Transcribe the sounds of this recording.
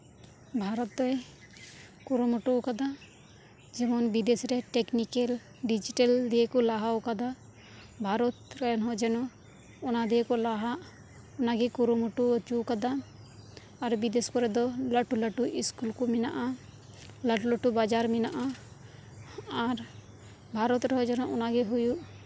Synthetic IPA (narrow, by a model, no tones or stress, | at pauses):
bʱaɾɔt̪̚d̪ɔj | kuɾumɔʈukad̪a | d͡ʒɛmɔnbid̪esɾɛʈɛknikel | ɖid͡ʒiʈeld̪iekɔlaɦaɔkad̪a | bʱaɾɔt̪ɾɛnɦɔ̃d͡ʒɛnɔ | ɔnad̪iekɔlaɦaʔ | ɔnaɡɛkuɾumuʈuɔt͡ʃukad̪aː | ɾbid̪eskɔɾɛd̪ɔləʈuləʈuʔiskulkɔmina̰ʔa | laʈuləʈubad͡ʒaɾminaʔa | aɾ | bʱaɾɔt̪ɾɛɦɔd͡ʒɛnɔ̃ʔɔnaɡɛɦujuʔ